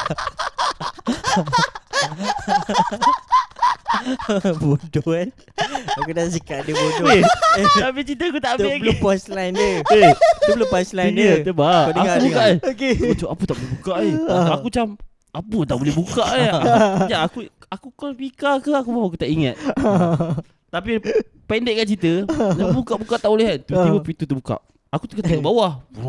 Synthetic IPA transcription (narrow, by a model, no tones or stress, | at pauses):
bodoan | akudaʔsikaʔdəbodoeapit͡ʃit̪aakut̪aʔeaɡpɔslajndəet̪ublopɔslanəəbaəakaubukaʔaoket͡ʃuapət̪aʔbolɛɦbukaʔaakut͡ʃam | apət̪aʔbolɛbukaʔaakud͡ʒaakuakukəlpikakəakubawk̬ut̪aʔiŋa̰t̪̚ | t̪api | pɛndeʔ̚kant͡ʃit̪ənabukaʔbukaʔt̪aʔolɛɦat̪ut̪ibəpit̪ut̪ubuka̰ʔ | akut̪ukət̪əkaʔbawah